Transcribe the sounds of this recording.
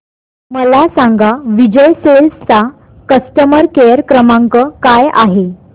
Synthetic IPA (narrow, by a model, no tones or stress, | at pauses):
məlasãŋɡaʋid͡ʑəjselst͡sa | kəsʈəməɾkejəɾkɾəmaŋkəkaja̰ɦe